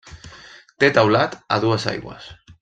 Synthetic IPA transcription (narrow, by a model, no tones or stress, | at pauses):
t̪et̪awlat̪a̰ðuasa̰jɣwa̰s